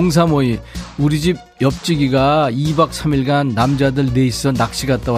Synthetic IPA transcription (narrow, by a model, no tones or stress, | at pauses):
ŋs̬ʰamoiuɾid͡ʑib̚jʌp̚t͡ɕ͈iɡiɡaibak̚sʰamiɭɡanːamd͡ʑadɯɭneis͈ʌnak̚ɕ͈iɡat͈̚aw